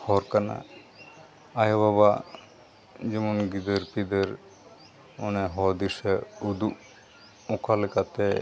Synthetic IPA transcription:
hɔɾkana̰ | ajaβaba | d͡ʒɛmunɡid̪əɾpid̪əɾ | ɔnɛɦɔd̪isɛud̪u | ɔkʰalɛkat̪ɛ

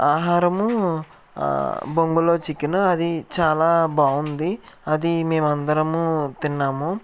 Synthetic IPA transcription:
aːɦaːɾɐmu | boŋɡulo̞ːt͡ʃikːinuɐd̪it͡ʃaːlaːbaːund̪iɐd̪ime̞ːmɐnd̪ɐɾɐmut̪inːaːmu

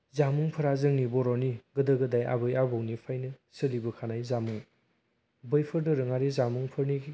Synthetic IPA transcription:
zamuŋpʰɯɾazɯŋnibɔɾɔniɡɯdɯɡɯdajʔa̰bɯjabɔwnipʰajnɯsɯlibɯkʰanajzamuŋ | bɯjpʰɯɾdɯɾɯŋaɾizamuŋpʰɯɾni

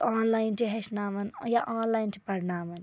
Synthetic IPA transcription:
aːnlaːint͡ʃiɦeʃnaːmɐnjaʔaːnlaːint͡ʃʰipɐɽnaːmɐn

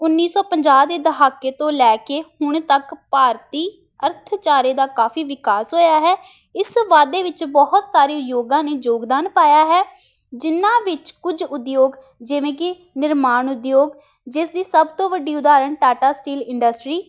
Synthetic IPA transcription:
ʊnːiːsɔːpəɲd͡ʒaːd̪eːd̪əɦaːkːeːt̪õːlɛːkeːhʊɳ̃t̪əkpaːɾt̪iː | əɾt̪ʰt͡ʃaːɾeːd̪aːkaːfiːʋɪkaːsɦoːjaːɦɛː | ɪsʋaːd̪eːʋɪt͡ʃbɔɦʊt̪saːɾeːjoːɡãːneːd͡ʒoːɡd̪aːnpaːjaːɦɛː | d͡ʒɪnːãːʋɪt͡ʃkʊd͡ʒʊd̪joːɡ | d͡ʒɪʋẽːkɪ | nɪɾmaːɳʊd̪joːɡ | d͡ʒɪsd̪iːsəbt̪õːʋəɖiːʊd̪aːɾəɳʈaːʈaːsʈiːlɪ̃ɳɖəsʈɾiː

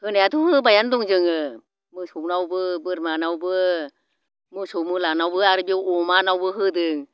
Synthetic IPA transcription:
hɯnɛat̪ʰuhɯbajanduŋd͡ʒɯŋɯ | mɯsunawbɯbɯɾmanawbɯ | mɯsumɯlanawbɯaɾɯbiwʔomanawbɯɦɯdɯŋ

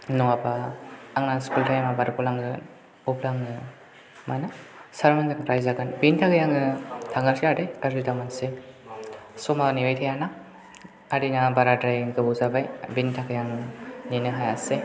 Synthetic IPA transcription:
nɔabaːŋnaskultʰajamabaɾkulaŋɡɯ | uplaŋɯ | manɯsaɾmanzaŋɾajzaɡanbintʰakajaŋɯtʰaŋalkʰadejaɾzɯdamanse | sɔmaniwajtʰajana | aɾinabaɾadɾajŋɡɯbuzabajbintʰakajaŋɯninɯɦajase

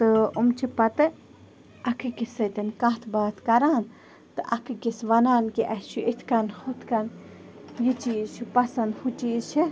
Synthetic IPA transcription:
t̪ɨumt͡ʃʰipɐt̪ɨ | ʔɐkʰɨkisɐt̪ʲɐnkãɦt̪ʰbaːt̪ʰkɐɾaːn | t̪ɨʔɐkʰɨkisʋɐnaːnkiʔɐst͡ʃʰuʔit̪ʰkɐnhut̪ʰkɐn | jit͡ʃit͡ʃʰipɐsɐnd̪hut͡ʃit͡ʃʰi

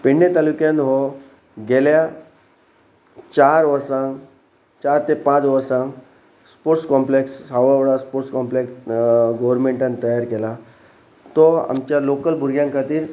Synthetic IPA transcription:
peɳːet̪alukjãnɦo | ɡelja | t͡ɕaɾʋəɾsãŋ | t͡ɕaɾt̪epãt͡sʋəɾsãŋ | spoɾʈskɔ̃mpleksɦaʋeʋɽaspoɾʈskɔmpleksɡoʋəɾmẽɳʈãnt̪əjaɾkela | t̪ɔa̰mt͡ɕjalokəlbʱuɾɡjãŋkʰat̪iːɾ

